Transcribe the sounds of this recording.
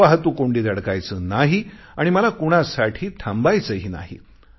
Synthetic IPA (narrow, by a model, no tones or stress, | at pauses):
aɦt̪uːkoɳɖiːd̪aɽkajt͡səːnaɦi | aɽ̃iməlakuɽ̃asaʈʰiːʈʰambajt͡səɦiːna̰ɦḭ